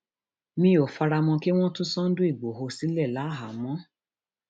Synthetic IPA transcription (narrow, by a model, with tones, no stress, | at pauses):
mĩ˧o˨fa˧ɾa˧mɔ̃˧ki˦w̃ɔ̃˦tũ˦sɔ̃˦n̩˦dũ˦i˦˨ɡ͡bo˨ɦo˧si˨˦lɛ˦˨la˨˦˨ɦa˨˦mɔ̃˦